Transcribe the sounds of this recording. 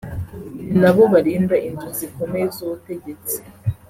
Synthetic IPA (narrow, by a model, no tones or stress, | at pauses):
naβo̞βaɾiːndaʔinzuziko̞mezuβute̞ɟe̞t͡sei̥